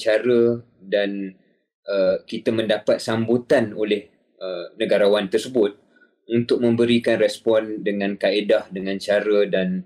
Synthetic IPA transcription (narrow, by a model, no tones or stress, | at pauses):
t͡ʃaɾə | dan | ʔəkit̪əmə̃ndapat̪̚sambut̪ano̰lɪh | ənə̃ɡaɾawant̪ərsəbʊt̪̚ | unt̪ʊk̚mə̃mbəɾikanrɛspɔndəŋãnkaedahdəŋãnt͡ʃaɾədan